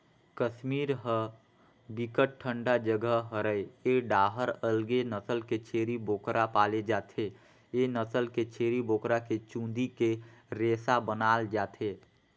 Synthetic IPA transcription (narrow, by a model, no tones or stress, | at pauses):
kəʃmiːɾɦə | bikəʈʈʰːə̃ɳɖad͡ʒəɡəɦɦəɾəeeɖaːɦəɾəlɡenəsəlket͡ʃʰeːɾiboːkɾapaːled͡ʒaːt̪ʰe | enəsəlket͡ʃʰeːɾiboːkɾaket͡ʃũnd̪ikeɾeːsabənaːld͡ʒaːt̪ʰeː